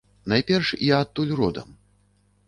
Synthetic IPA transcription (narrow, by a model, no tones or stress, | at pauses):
najpʲɛrʂiat̪ːulʲrɔd̪ɐ̰m